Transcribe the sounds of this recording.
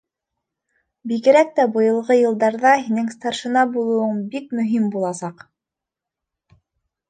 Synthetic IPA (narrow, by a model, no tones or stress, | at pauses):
biɣɘ̆ɾæk̚t̪æbɤ̆jɤ̆lˠʁɤjɤ̆lˠd̪ɑɾðɑɦinɘŋst̪ɑrʃɤ̆nɑbulˠŭwɤɴbikmɵ̆ɦimbulˠɑsɑq